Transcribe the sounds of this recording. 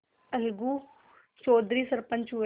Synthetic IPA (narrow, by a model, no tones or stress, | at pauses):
ɐlɡuː | t͡ʃoːd̪ʱɾiːsɐɾpə̃ɲt͡ʃɦu